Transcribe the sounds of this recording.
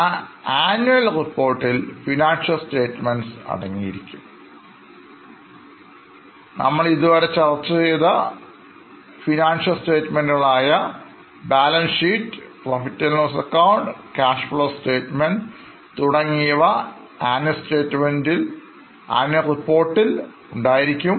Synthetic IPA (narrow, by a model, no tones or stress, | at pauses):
aːnːuɐlripːo̞ːrʈːilfinaːnʂɐlste̞ːtːmenɖsɐ̰ɽɐŋːijḭɾikʲːum | nʔɐ̰mːɐɭiðuʋɐɾet͡ɕɐrɐt͡ɕːɐt͡ɕejðɐ | finaːnʂɐlste̞ːtːmendɣɐɭaːjɐ | baːlɐnsiːʈːprɐfitːɐlnɐsɐkːɐwɳɖkaːʂfɐɭɐste̞ːtmenɖ | t̪uɽɐŋːijɐʋɐ | aːnjɐste̞ːtːmendil | ɐ̰njɐripːo̞ːrʈːil | uɳɖaːjiɾikʲːum